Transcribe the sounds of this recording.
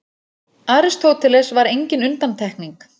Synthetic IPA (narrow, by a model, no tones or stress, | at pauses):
aːɾɪst̪ʰowt̪ʰɪlɛsvaɾejɲcɪnʏnt̪ant̪ʰɛhkniŋk